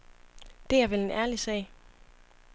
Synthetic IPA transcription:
d̥e̝æɐʋele̝næɐlisɛ̰ːɪ

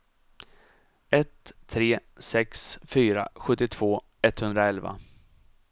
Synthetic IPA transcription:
ɛt̪ʰːɾeːsɛksfyːɾa̰ɧɵt̪ːɪt̪ʰv̥oː | ɛt̪ːhɵnd̪ɾaɛlva̰

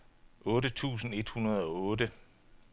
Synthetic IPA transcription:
ʔɔ̽ːdət͡sʰṵːsn̩e̝d̥hunɐð̞ˠɒ̽ɔ̽ːdə

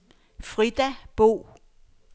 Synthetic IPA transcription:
fʁid̥æb̥o̝̰ː

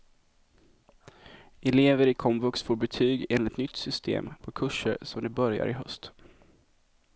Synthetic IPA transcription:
ɛleːvəɾɪkʰɔmvɵksfoːɾbɛt̪ʰyːɡeːnlɪt̪nʏt̪sʏst̪ʰḛːmpʰɔkʰɵʂːə̰ɾsɔmd̪ɪbœɾja̰ɾɪɦœ̰st̪

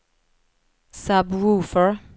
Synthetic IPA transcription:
sabɹuːfəɹ

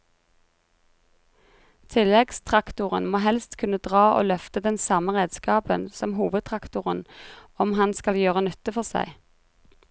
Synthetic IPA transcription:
t̪ʰɪlɛɡst̪ʰʁɑkt̪ʊʁənmoːɦɛlst̪kʰʉnːəd̪ʁɑːʔo̰ːlœft̪əd̪ɛnsɑməʁeːd̪skɑːpənsɔmhuːʋəd̪̚t̪ʰʁɑkt̪ʊʁənɔmhɑnskɑljøːʁənʉt̪əfɔʁsæ̰ɪ

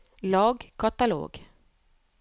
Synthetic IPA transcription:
lɑːɡkʰat̪alo̰ːɡ

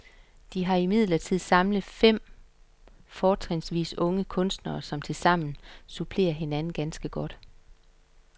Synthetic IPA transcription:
d̥iɦɑ̈imið̞̰ˠlɐt͡sʰið̞̰ˠsɑ̈mləð̩ˠfem̰ | fɒːt͡sʰʁeŋsʋḭːsɔ̽ŋəkʰɔ̽nsd̥nɐːsɒ̽mt͡sʰe̝lsɑ̈m̰n̩supʰle̝̰ːɐɦe̝nænn̩ɡ̥ænsɡ̥əɡ̥ɒ̽d̥

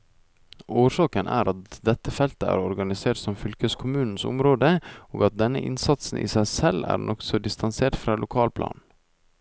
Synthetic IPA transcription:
oːʂɑːkənʔæ̰ːɾɑt̪̚d̪ɛt̪ːəfɛlt̪əæ̰ːɾɔɾɡɑnɪseːʈsɔmfʏlkəskʰʊmʉːnn̩sʊ̰mɾoːd̪əoːɡɑt̪̚d̪ɛnːə̰ʔɪ̰nsɑt̪sn̩ʔḭːsæɪsɛlæ̰ːɾnʔɔksɔd̪ɪst̪ɑnseːɾʈfɾɑːlʊkʰɑːlpʰlɑ̰ːn

